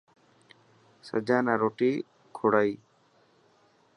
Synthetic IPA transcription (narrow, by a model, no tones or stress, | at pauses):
sə̰d͡ʒanaɾoʈi | kʰoɽaj